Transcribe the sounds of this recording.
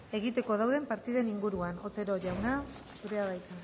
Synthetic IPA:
e̞ɣ̞it̪e̞ko̞ð̞awðe̞mpaɾt̪iðe̞niŋɡuɾuano̞t̪e̞ɾo̞ʝawna | suɾe̞aβajt̪a

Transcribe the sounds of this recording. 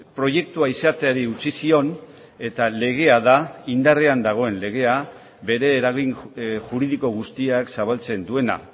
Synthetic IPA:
pɾo̞je̞k̚t̪uaisat̪e̞aɾiut͡sisio̞n | e̞t̪ale̞ɣ̞e̞aðaind̪areand̪aɣ̞o̞e̞nle̞ɣ̞e̞a | βe̞ɾe̞ːɾaɣinʝuɾið̞iko̞ɣust̪iaksaβ̞alt͡se̞nd̪ue̞na̰

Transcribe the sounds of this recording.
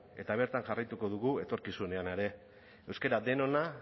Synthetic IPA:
e̞̰t̪aβ̞e̞ɾt̪anʝarajt̪uko̞ðuɣue̞t̪o̞ɾkisune̞ane̞ɾe̞ | ewske̞ɾad̪e̞no̞na

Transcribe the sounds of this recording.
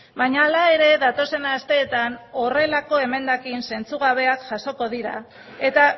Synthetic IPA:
baɲaːlae̞ɾe̞ðat̪o̞se̞nast̪e̞ːt̪ano̞re̞lako̞e̞me̞nd̪akinse̞nt͡suɣaβ̞e̞akʝaso̞ko̞ðiɾa̰ | e̞t̪a

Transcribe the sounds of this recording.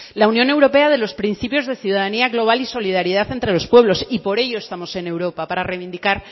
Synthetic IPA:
launjõ̞newɾo̞peaðe̞lo̞spɾin̟θipjo̞zðe̞θjuðaðaniaɣlo̞β̞aliso̞liðaɾið̞aθent̪ɾelo̞spwe̞β̞lo̞sipo̞ɾe̞ʝo̞est̪amo̞se̞ne̞wɾo̞papaɾarejβind̪ikaɾ

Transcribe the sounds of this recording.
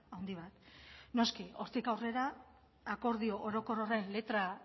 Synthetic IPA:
awnd̪iβ̞at̪no̞skio̞ɾt̪ikawre̞ɾaː | ko̞ɾð̞io̞ʔoɾo̞ko̞roraenle̞t̪ɾa

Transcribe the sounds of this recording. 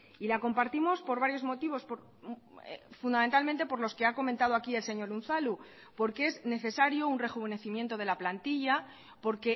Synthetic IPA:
ilako̞mpaɾt̪imo̞spo̞ɾβaɾjo̞zmo̞t̪iβo̞spoɾ̰ | fund̪ament̪alment̪e̞po̞ɾlo̞ske̞ako̞mẽnt̪að̞o̞akie̞lse̞ɲo̞ɾun̟θalu | po̞ɾkee̞zne̞θe̞saɾjo̞unre̞xuβe̞ne̞θimje̞nt̪o̞ð̞e̞laplant̪iʝa | po̞ɾke̞

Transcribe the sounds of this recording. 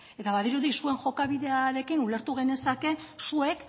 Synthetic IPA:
e̞t̪aβað̞iɾuðisue̞ŋʝo̞kaβ̞iðe̞aɾe̞kinule̞ɾt̪uɣ̞e̞ne̞sake̞sue̞k

